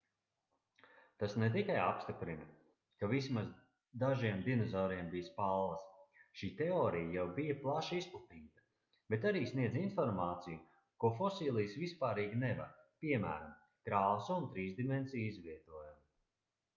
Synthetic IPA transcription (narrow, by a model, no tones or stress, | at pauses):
t̪asnet̪̬ikaja̰pst̪ipɾinɐ | kavismaz | d̪aʒiɛmd̪inɔzɔːɾiɛmbijspalˠːɐsʃiːt̪ɛɔːɾijajawbijɐplˠaʃisplˠat̪iːt̪ɐ̥ | b̥et̪aɾiːsniɛd̪zinfɔɾmaːt̪siju | kuɔfɔsiːlˠijsvispaːɾiːɡnɛva̰ɾpiɛmæ̰ːɾam | kɾaːsuunt̪ɾiːzd̪imɛnsiːjizviɛt̪uɔjum